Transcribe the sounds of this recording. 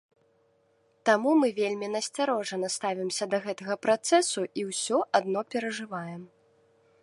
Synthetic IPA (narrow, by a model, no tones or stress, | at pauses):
t̪amumɨvʲelʲmʲinɐsʲt͡sʲaɾɔʐɐnɐst̪avʲimsʲɐd̪ɐɣɛt̪ɐɣɐpɾat̪sɛsuiwsʲɔʔad̪nɔpʲɛɾɐʐɨvajɛm